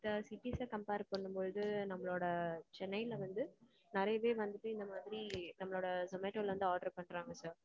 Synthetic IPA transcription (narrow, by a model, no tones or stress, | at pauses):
ɪd̪ɐsɪʈːisɐkɐmpeːɾpɐɳːɯmpoɻɯðɯnɐmːɐɭoːɽɐt͡ʃɛnːɐɪɪlʋɐnd̪ɯ | nɪɾɐjɐʋeːʋɐnd̪ɯʈːɯ̃ɪnd̪ɐmaːðɾinɐmːɐɭoːɽɐsɐmeːʈːoːlʋɐnd̪ɯaːɖɐɾpɐɳːɾaːŋɡɐsaːɾ